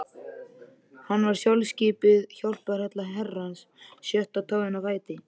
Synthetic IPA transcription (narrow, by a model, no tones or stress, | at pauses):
hanːvaɾ̥sjalsciːpɪðçɔwl̥pɛɾhɛt̪laɦɛrːansː | jœht̪awt̪ʰaːðɪnavaːjt̪ɪ